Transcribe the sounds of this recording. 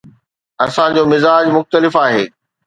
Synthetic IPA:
ɐsãd͡ʑoːmɪzaːd͡ʑmʊxt̪əlɪfaːɦeː

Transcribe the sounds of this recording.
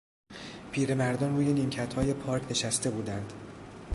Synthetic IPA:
pʰiːɾe̞mæɾd̪ɒːnɾuːjeniːmcʰæt̪hɒːje̞pʰɒːɾcʰne̞ʃæst̪e̞buːd̪ænd̪̥

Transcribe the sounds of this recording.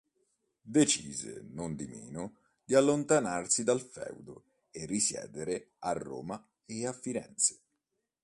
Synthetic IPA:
d̪et͡ʃiːzḛnond̪imḭːnʊ | d̪ialːont̪anarsid̪alfɛ̰wd̪ʊ | erːisjɛ̰ːd̪eɾɪ | arːo̰ːma | eafːiɾɛ̰nt̪se̥

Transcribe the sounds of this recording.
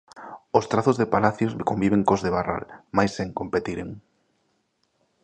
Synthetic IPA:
ost̪ɾaθozðepalaθjoskombiβeŋkozðeβara̰lmajseŋkompet̪iɾeŋ

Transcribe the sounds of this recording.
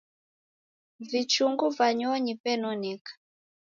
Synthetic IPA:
vit͡ʃuŋɡuvaɲɔɲipɛnɔnɛkḁ

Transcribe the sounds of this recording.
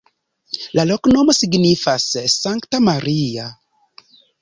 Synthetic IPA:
laloknomosiɡnifasːaŋktamaɾia

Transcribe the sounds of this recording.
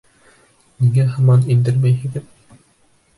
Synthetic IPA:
niŋæɦɤ̆mɑnind̪ɘɾmæjɦɘ̆ɡɘð

